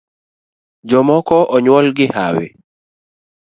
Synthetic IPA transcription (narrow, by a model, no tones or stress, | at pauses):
d͡ʒɔmɔkɔʔɔɲwɔlɡɪha̰wɪ̰